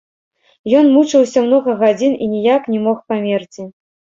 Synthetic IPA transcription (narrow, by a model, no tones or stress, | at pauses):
jɔnmut͡ʂɨwsʲɐmnɔɣɐɣad͡zʲininʲijaknʲɛmɔxpamʲert͡sʲi